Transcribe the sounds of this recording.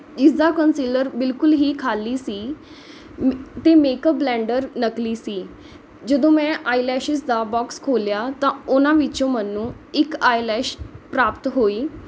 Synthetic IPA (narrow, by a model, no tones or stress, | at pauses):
d͡ʒɪsd̪aːkənsiːləɾbɪlkʊlɦiːkʰaːliːsiː | t̪emeːkəpblɛ̃ːɳɖəɾnəkliːsiː | d͡ʒəd̪õːmɛ̃ʔaːilɛːʃɪsd̪abɔːkskʰoːljat̪ãʊnãːʋit͡ʃõmənːũː | ɪkaːilɛːʃpɾaːpt̪ɦoːiː